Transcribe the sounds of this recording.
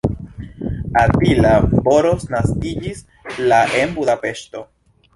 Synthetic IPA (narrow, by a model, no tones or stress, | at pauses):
abilabo̞ɾo̞snaskid͡ʒis | laʔe̞mbuðape̞ʃto̞